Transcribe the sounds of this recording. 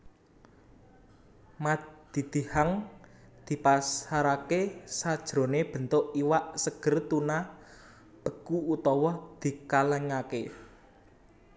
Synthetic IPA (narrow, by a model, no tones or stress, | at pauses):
mad̪̥i̤d̪̥i̤haŋd̪̥i̤pasaɾakesad̥ʒ̥ɾo̤neb̥ə̤nt̪oʔiwaʔsəɡ̥ərt̪una | b̥ə̤kuut̪ɔwɔd̪̥i̤kaləŋake